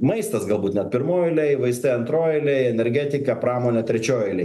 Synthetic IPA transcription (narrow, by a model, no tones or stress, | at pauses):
mɐɪst̪ɐsɡɐlˠbuːt̪nʲɛt̪̚pʲɪɾmoːjoɪlʲɛɪʋɐɪst̪ɐɪɐnt̪ɾoːjɪlʲɛɪɛnʲɛɾʲɡʲæt̪ʲɪkɐpɾɑːmoːnʲɛt̪ʲɾʲɛt͡ʃʲoːjɪlʲɛɪ